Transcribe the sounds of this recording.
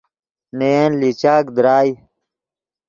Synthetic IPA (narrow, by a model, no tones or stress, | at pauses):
neenlit͡ɕaːkd̪ɾaːj